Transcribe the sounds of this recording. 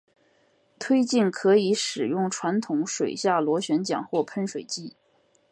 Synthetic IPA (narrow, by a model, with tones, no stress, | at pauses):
t̪ʰwe˥ɪt͡ɕi˥˩nkʰɤ˧˥i˧˥ʂɻ̩˨˩jʊ˥˩ŋʈ͡ʂʰwa˧˥nt̪ʰʊ˧˥ŋʂwe˨˩ɪɕja˥˩lwɔ˧˥ɕɥɛ˧˥nt͡ɕjɑ̰˨˩ŋxwɔ˥˩pʰə˥nʂwe˨˩ɪt͡ɕi˥˩